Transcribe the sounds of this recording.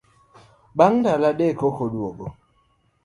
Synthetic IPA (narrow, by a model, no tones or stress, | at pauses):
ɓaŋdalaɗekokodwoɡo